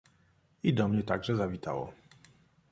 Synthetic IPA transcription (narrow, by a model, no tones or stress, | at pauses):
id̪ɔmɲɛt̪aɡʐɛzavʲit̪a̰wɔ̰